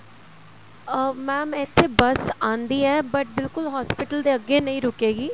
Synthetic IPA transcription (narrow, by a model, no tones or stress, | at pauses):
mɛ̃ːmɛ̃ːɪt̪ʰːeːbəsãːnd̪iːɛːbəʈ̚bɪlkʊlɦɔːspɪʈəld̪eːəɡːeːnəĩːɾʊkeːɡiː